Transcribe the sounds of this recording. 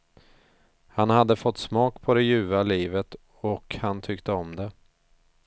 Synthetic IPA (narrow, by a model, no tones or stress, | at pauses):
hanhad̪ːəfɔt̪ːsmɑːkpʰɔd̪ɛjʉ̟ːvaliːvət̪ | ɔkhant̪ʰʏkt̪əɔmd̪ɛ